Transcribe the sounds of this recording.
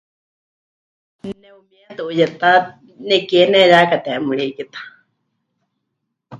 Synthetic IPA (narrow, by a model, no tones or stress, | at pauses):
nɛumiat̪uʔujɛt̪a | nɛkɛnɛɾakat̪ɛamuɺiikit̪ḁ